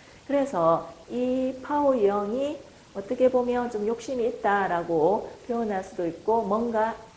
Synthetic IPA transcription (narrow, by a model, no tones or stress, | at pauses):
kɯɾe̞sʰʌipʰaojʌŋi | ʌt͈ʌkʰe̞bomjʌnt͡ɕomjok̚ɕ͈imiːt̚t͈aɾaɡopjoʌnɦaɭs͈udoik̚k͈omwʌnɡa